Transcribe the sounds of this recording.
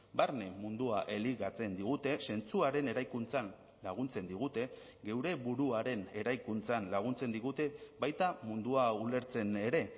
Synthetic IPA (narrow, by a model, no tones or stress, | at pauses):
baɾne̞mund̪uaʔe̞liɣat͡se̞nd̪iɣ̞ut̪e̞se̞nt͡suaɾe̞ne̞ɾajkunt͡san | laɣ̞unt͡se̞nd̪iɣ̞ut̪e̞ | ɡe̞wɾe̞βuɾuaɾe̞ne̞ɾajkunt͡sanlaɣ̞unt͡se̞nd̪iɣ̞ut̪e̞bajt̪amund̪uaule̞ɾt͡se̞ne̞ɾe̞